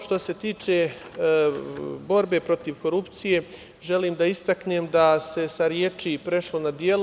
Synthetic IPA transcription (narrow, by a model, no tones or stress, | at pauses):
ʃt̪o̞se̞t̪iːt͡ʃe̞ | bo̞ɾbe̞pɾo̞t̪iʋko̞ɾupt̪sije̞ | ʒe̞liːmd̪aist̪akneːmd̪ase̞saɾjet͡ʃipɾe̞ʃlo̞nad̪je̞l